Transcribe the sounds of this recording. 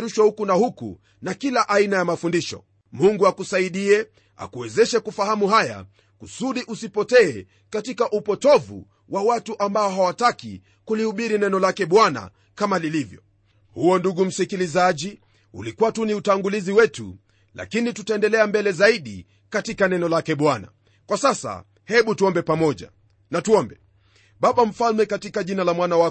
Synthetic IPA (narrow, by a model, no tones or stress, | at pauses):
ɾuʃwɔhukunahukṵ | nakilaʔainajamafundiʃɔ̰ | muŋɡuakusaiɗiɛ | a̰kuwɛzɛʃakufahamuɦaja̰ | kusuɗiʔusipɔtɛː | katikaʔupɔtɔvṵ | wʔawatuʔambaɔɦawatakḭ | kulihuɓiɾinɛnɔlakɛɓwana̰ | kamalilivjɔ̰ | huɔnduɡum̩sikilizaʄi | ṵlikuwatuniutaŋɡuliziwɛtṵ | la̰kinitutaɛndɛlɛambɛlɛzaiɗḭ | katikanɛnɔlakɛɓwana̰ | kwasasa̰ | hɛɓutuɔmbɛpamɔʄa̰ | natuɔmbɛ | ɓaɓam̩falmɛkatikaʄinalamwanawa